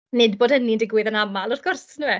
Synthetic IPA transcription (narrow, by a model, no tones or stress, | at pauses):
nɪd̚boːd̥ənindɪɡwɪðənamalˠʊrθɡ̥ʊrsnuɛ